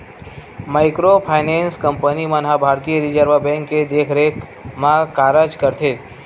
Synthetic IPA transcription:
maɪkɾopʰajnẽnskəmpənimãnɦabʱaɾt̪ijəɾid͡ʒəɾʋəbɛ̃ŋkːed̪ekʰɾek | mãkaɾəd͡ʒkəɾt̪ʰet̪

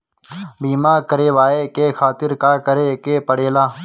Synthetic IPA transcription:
biːmaːkəɾeːʋaːeːkeːxʰaːt̪ɪɾkaːkəɾeːkeːpəɽeːlaː

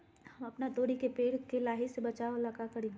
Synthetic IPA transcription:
hɐmɐpnat̪oːɽikepeːɽkelaːɦisebɐt͡ʃaːolaːkakɐɾĩː

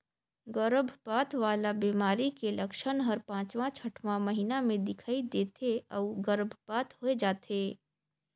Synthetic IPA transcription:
ɡəɾbʱpaːt̪ʋaːlabiːmaːɾikelɐkʃənɦɐɾpãːt͡ʃʋãt͡ʃʰɐʈʰʋãmɐɦɪnamẽd̪ɪkʰaːid̪eːt̪ʰeɔːɡəɾbʱpaːt̪ɦoed͡ʒaːt̪ʰeː

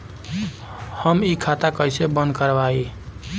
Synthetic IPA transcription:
həmikʰat̪akəjsebənd̪kəɾbai

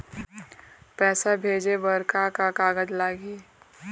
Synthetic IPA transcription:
pɛːsabʱeːd͡ʒebəɾkakakaːɡəd͡ʒlaːɡeː

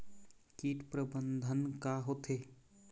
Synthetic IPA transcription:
kiːʈpɾəbənd̪ʱənkaɦoːt̪ʰeː

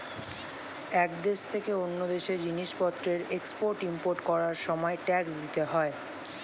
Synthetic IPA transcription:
ɛkd̪eʃt̪ʰekeonːod̪eʃeɾd͡ʑiniʃpɔt̪ːɾeɾekspoɾʈimpoɾʈkɔɾaɾʃɔmɔeʈɛksd̪it̪eɦɔe

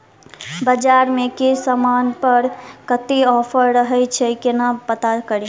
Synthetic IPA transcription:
bəd͡ʒaɾmekisəmanpəɾkət̪iɔːpʰəɾɾəɦɛt͡ʃʰɛkɪnapət̪akəɾi

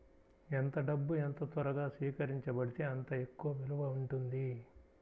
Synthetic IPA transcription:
ent̪ɐɖɐbːuent̪ɐt̪ɐɾɐɡaːsʋiːkɐɾiɲt͡ʃɐbɐɽit̪e̞ːɐnt̪ɐe̞kːuʋɐʋeluʋɐuɳʈund̪i

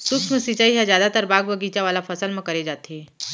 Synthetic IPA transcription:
sʊksmẽsit͡ʃaːiɦɛzjaːd̪at̪əɾbaːɡbəɡiːt͡ʃaʋaːlafʰɐsəlmẽkɐɾed͡ʒaːt̪ɦeː

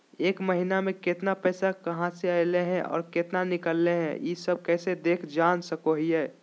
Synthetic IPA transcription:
eːkməɦinamẽket̪napɛːsakɐɦãseaɪleɦɛ̃ʔɔ̰ːɾket̪nanɪkəlːeɦɛ̰̃jisəb̚kɛːsed̪eːkʰd͡ʒaːnsəkoɦiɦɛː

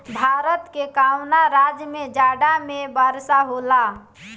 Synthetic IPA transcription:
bʱaɾət̪kekawnaɾad͡ʒjmed͡ʒaɖamebəɾsaɦola

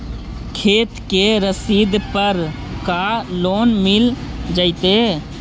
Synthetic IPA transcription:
kʰeːt̪keɾəsiːd̪pəɾ | kaloːnmɪl | d͡ʒəɪt̪e

